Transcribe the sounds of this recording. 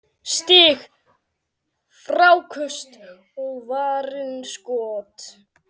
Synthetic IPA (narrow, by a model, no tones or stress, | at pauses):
st̪iːx | fɾawkʰʏst̪ | ɔɣvaːɾɪnskɔːt̪